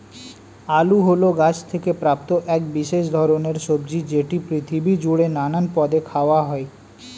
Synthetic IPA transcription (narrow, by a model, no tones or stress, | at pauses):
aluɦoloɡat͡ɕʰt̪ʰekepɾap̚t̪oʔɛkbiʃeʃd̪ʱɔɾoneɾʃobd͡ʑid͡ʑeʈipɾit̪ʰibid͡ʑuɽenananpɔd̪ekʰaoaɦɔe